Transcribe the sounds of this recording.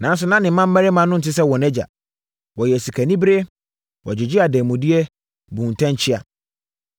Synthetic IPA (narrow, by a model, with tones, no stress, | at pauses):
nã˨˦s̬ʊ˨nã˦nɪ̃˨m̩˦mã˦m̩˦mæ˦ɾɪ˦mã˨˦nʊ̃˦n̩˨tɪ˦s̬ɛ˦wɔ̃˨nɛ˦d͡ʑa̰˨ | wɔ˨jɛ˨si˨kʰæ˨nĩ˦bɾe˦ | wɔ˨d͡ʑɪ˨d͡ʑi˦a˨dɛː˨mʊ̃˨di˦ɛ˦ | bũː˨n˨tʰã˦ɲ˦t͡ɕʰɪ˦a̰˨